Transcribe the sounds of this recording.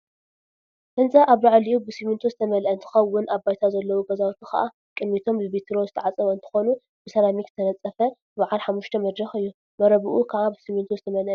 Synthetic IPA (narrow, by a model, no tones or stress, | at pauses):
bɨnzʼaʔaβɾaʕliʔubɨsimɨnt̪ʰozɨt̪ʰɐmɐlʔɐnt̪ʰɨ̥xɐwːʊnaβbajt̪ʰazɐlːɐwuɡɐzawt̪ʰixɐ̰ʔa | kʼɨmmit̪ʰo̞mbɨβit̪ʰɾo̞zɨt̪ʰɐʕat͡sʼɨβɐɨnt̪ʰɨ̥xo̞nu | b̥ɨsɐlamikɨ̥t̪ʰɐnɐt͡sʼːɐfɐ | baʕalħamːuʃt̪ʰɐmɐd̪ɾɐxɨjːu | mɐɾɐβɨʔukʰaʕabɨsimɨnt̪ʰuzɨt̪ʰɐmɐlʔɐ